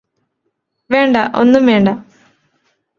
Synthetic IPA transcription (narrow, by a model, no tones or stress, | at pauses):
ʋeːɳɖɐʔo̞̰nːumʋeːɳɖɐ